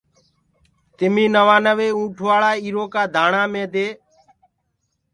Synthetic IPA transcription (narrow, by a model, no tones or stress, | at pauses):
t̪ɪmĩːnəʋaːnəʋeːũːʈʰʊʋaːɭaːiːɾoːkaːd̪ʱaːɳãːmẽːd̪eː